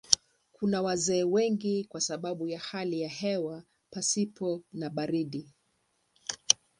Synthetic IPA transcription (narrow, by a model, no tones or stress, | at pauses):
kʰunawazɛːwɛŋɡikwasaɓaɓujahalijaɦɛwa | pasipɔnaɓaɾiɗi